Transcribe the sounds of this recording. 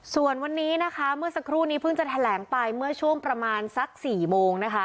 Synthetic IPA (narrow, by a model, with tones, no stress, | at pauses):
su˨˩ənwa˧nːiː˦˥na˦˥kʰa˦˥mɯ˥˩ɐsa˧kʰɾuː˥˩niː˦˥pʰɯ˥˩ŋt͡ɕa˨˩t̪ʰa˧lɛː˩˦ŋpa˧jmɯ˥˩ət͡ɕʰu˥˩əŋpɾa˧maː˧nsa˦˥k̚siː˨˩moː˧ŋna˦˥kʰa˦˥